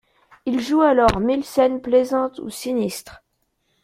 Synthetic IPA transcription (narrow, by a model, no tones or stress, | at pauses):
ilʒualɔʁmilsɛnplezɑ̃t̪ṵsinist̪χ